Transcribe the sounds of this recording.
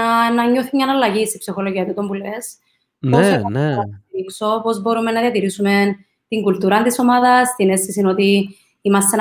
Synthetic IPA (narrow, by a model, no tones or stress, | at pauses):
nɐɲːo̞θimɲɐnɐlːɐʝisi̥psixoloʝiɐt̪ut̪o̞mbules | posɐneɐɐɾikso̞po̞zbo̞ɾumenːɐðiɐt̪iɾisume̞n | t̪iŋɡult̪uɾɐnt̪iso̞mɐðɐst̪inesisino̞t̪i | imɐst̪en